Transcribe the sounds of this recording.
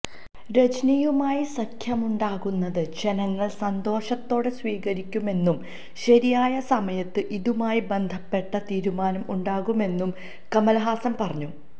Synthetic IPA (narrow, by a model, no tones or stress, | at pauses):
ɾe̞t͡ɕɐnijumaːjisɐkʰjɐmuɳɖaːɣunːɐðɨd͡ʑe̞nɐŋːɐɭsɐnd̪o̞ːɕɐt̪ːo̞ːɽe̞sʋiːɣɐɾikʲːume̞nːum | ɕɐɾijaːjɐsɐmɐjɐt̪ːɨʔiðumaːjibe̞nd̪ʱɐpːe̞ʈːɐt̪iːɾumaːnɐmʔuɳɖaːɣume̞nːum | kɐmɐlɐɦaːsɐmpɐrɐɲːu